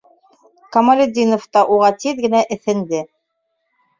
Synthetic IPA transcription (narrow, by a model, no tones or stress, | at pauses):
kɐmalʲed̪ʲːinŏft̪ɑʔuʁɑt̪iðɡɘ̆næʔɘ̆θɘ̆nd̪ɘ